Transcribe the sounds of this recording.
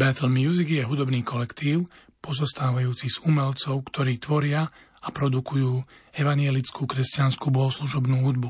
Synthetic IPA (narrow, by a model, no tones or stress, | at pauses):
bɛt̪l̩mjuziɡjɛɦud̪ɔbniːkɔlɛkt̪iːʊ | pɔzɔst̪aːʋajuːt͡siz̥umɛlt͡sɔʊkt̪ɔɾiːt̪ʋɔɾɪa | apɾɔd̪ukujuːɛʋaɲjɛlit͡skʰuːkɾɛscanskuːbɔɦɔsluʒɔbnuːɦud̪bu